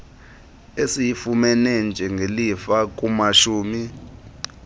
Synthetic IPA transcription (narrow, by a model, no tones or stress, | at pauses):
esijifumɛnɛnd͡ʒʱɛŋɡʱelifak̬ʼumaʃuːmi